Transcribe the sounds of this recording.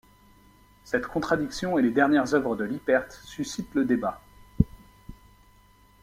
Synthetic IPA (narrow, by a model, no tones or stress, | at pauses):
sɛt̪kʰɔ̃t̪χad̪iksjɔ̃eled̪ɛʁnjɛʁzœvʁəd̪əlipɛʁt̪sysit̪ləd̪eba